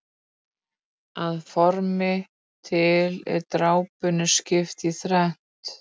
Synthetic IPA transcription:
aðfɔɾmɪ | t̪ʰɪlɛ̰ɾt̪ɾaːwpʏnʏscɪft̪iθɾɛn̥t̪

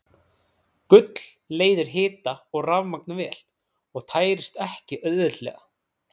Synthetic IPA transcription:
kʏt̪l̥ | leːjðɪɾ̥ɦɪːt̪aɔɣravmak̚nvɛːl̥ | ɔɣt̪ʰaːjɾɪst̪ɛhcɪʔœððʏlɛ̰ːɣa̰

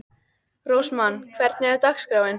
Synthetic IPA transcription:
rowsmanːkʰvɛɾt̪nɪat̪axskɾaːwɪn

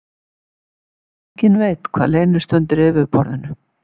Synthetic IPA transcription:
eɲcɪnveːjt̪kʰv̥aːðleːjnʏst̪œnt̪ɪɾɪvɪpɔɾðɪnʏ

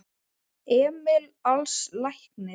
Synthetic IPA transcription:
ɛːmɪlalslajhknɪ

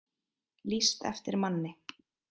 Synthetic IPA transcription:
list̪ɛ̰ft̪ɪɾmanːɪ

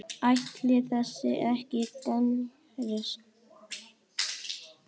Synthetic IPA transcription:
ajht̪lɪθɛsːɪɛ̰ɾɛhcɪt̪an | ɾʏs

